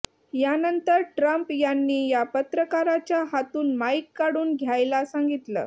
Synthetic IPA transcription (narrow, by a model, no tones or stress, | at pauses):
janənt̪əɾʈɾəmpjanːiːjapət̪ɾəkaɾat͡ɕjaɦat̪uːnmaikːaɽuːnɡʱjajlasaŋɡit̪lə̰ː